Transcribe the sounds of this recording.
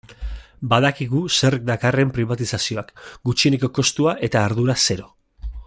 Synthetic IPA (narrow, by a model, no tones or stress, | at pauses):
baðakiɣuse̞rk̚d̪akare̞mpɾiβ̞at̪isasio̞akɡut͡ʃieniko̞ko̞st̪uaʔe̞t̪aːɾðuɾase̞ɾo̞